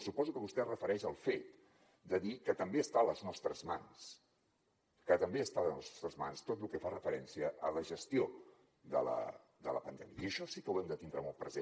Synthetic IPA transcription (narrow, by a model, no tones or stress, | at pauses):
supɔzukəβust̪ɛrəfəɾɛʃəlˠfet̪ | d̪əðikət̪əmbeəst̪aələznɔst̪ɾəzma̰ns | kət̪əmbeəst̪alənɔst̪st̪ɾəzma̰nst̪ot̪lukɛfarəfəɾɛnsiəʔələʒəst̪io | d̪ə̰lə̰ | d̪ə̰lə̰pənd̪ɛmiəiəʃɔsikəwɛmd̪ət̪ind̪ɾəmɔlˠt̪pɾəze